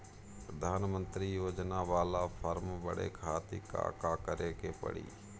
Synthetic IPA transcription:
pɾəd̪ʱaːnmə̃nt̪ɾijoːd͡ʒnaʋaːlapʰəɾmbəɽḛkʰaːt̪ika̰kaːkəɾeːkepə̰ɽḭː

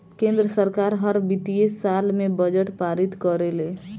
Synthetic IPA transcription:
kẽnd̪ɾəsəɾkaɾɦəɾbit̪iesːalmebəd͡ʒəʈpaɾit̪kəɾele

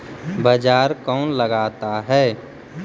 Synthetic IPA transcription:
bəd͡ʒaːɾkɔːnləɡaːt̪aɦɛː

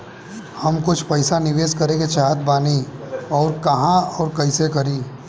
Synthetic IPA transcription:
hɐmkʊt͡ʃʰpəɪsanɪʋeːskɐɾeket͡ʃaːɦt̪baːniɔːɾkɐɦãɔːɾkɐɪsekɐɾiː

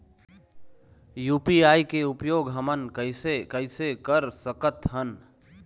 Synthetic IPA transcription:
juːpiaːikeupjoːɡɦəmənkəɪsekəɪsekəɾsəkət̪ɦən

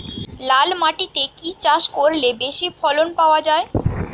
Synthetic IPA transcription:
lalmaʈit̪ekit͡ɕaʃkoɾlebeʃifʰɔlonpaoad͡ʑae

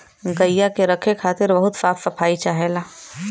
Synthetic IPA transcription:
ɡɐjːakeɾɐkʰekʰaːt̪ɪɾbɐɦʊt̪saːfːɐpʰaːit͡ʃaːɦelaː

